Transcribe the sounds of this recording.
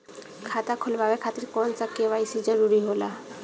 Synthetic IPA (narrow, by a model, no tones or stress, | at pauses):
kʰat̪akʰolbʱabekʰat̪iɾkɔnsakːebajsid͡ʒɔɾuɾiɦola